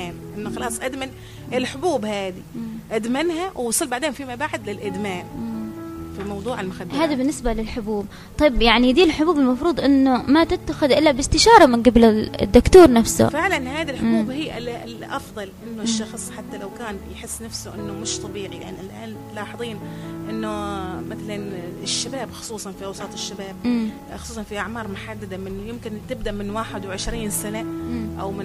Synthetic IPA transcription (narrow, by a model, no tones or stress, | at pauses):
aːnʔɪnːʊxɑlɑːsˤʔad̪man | ʔɪlħʊbuːbhaːd̪iʔad̪manhawwsˤɨlːbaʕd̪eːhnfimabaʕd̪lɪlʔɪd̪maːn | fimɑwd̪ˤuːʕalmʊxad̪ːhaːðabɪnːɪsbalɪlħʊbuːb̚ | t̪ˤɑjbjaʕnid̪iːlħʊbuːbɪlmɑfɾuːd̪ˤʔɪnːʊmat̪ɪt̪ːaxɪðʔɪlːabɪst̪ɪʃɑːɾˤɑmɪnɡablɪ̰d̪ːʊkt̪uːɾˤnafsʊ̰fɪʕlanhaːd̪ilħʊbuːbhiːʔɪlɪlʔɑfðˤɑlʔɪnːʊʃːɑxɨsˤːħat̪ːalawkaːnjħɪsːnafsʊʔɪnːʊmɪʃt̪ˤɑbiːʕiʔa̰nʔɪlʔaːn | lɑːħɑðˤiːnʔɪnːʊmɪθalanɪʃːabaːbxʊ̥sˤuːsˤɑnfiʔɑwsˤɑːt̪ˤɪʃːabaːb̚ | xʊsˤuːsˤɑnfiʔaʕmɑːɾˤmʊħad̪ːad̪amɪnjɪmkɪnt̪ɪb̚d̪aʔmɪnwaːħɪd̪wʕɪʃɾiːnsanaʔa̰wmɪ